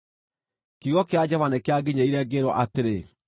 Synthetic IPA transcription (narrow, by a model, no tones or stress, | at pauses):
kiɣɔkead͡ʑɔvanekeaɡeɲeiɾɛɡeɾɔʔateɾe